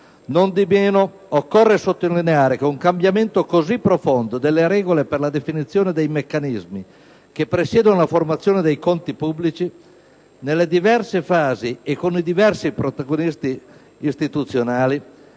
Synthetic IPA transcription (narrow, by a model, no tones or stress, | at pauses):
nond̪imeːno | okːɔrːesot̪ːoilːineaːɾekeuŋkambjament̪okozipːɾofond̪od̪elːeɾɛːɡoleperlad̪efinit̪sːjoːned̪ejmekːanizmi | k̟epːɾesjɛːd̪onolaformat̪sːjoːned̪ejkont̪ipubːlit͡ʃi | nelːed̪ivɛrsefaːziekːonid̪ivɛrsipɾot̪aɡonist̪iː | st̪it̪ut̪sːjonaːli